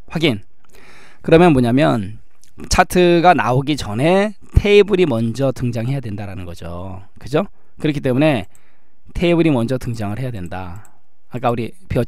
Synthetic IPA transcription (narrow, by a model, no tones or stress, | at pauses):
ɸwaɡin | kɯɾʌmjʌnmoɲamjʌn | t͡ɕʰatʰɯɡana̰oɡit͡ɕʌne̞ | tʰe̞ibuɾimʌnd͡ʑʌtʰɯŋd͡ʑaŋɦe̞jadwe̞ndaɾanɯnɡʌd͡ʑo̰ | kɯd͡ʑo | kɯɾʌkʰi̥t͈emune̞ | tʰe̞ibuɾimʌnd͡ʑʌtʰɯŋd͡ʑaŋɯɭhe̞jadwe̞nda̰ː | k͈auɾi | pjʌ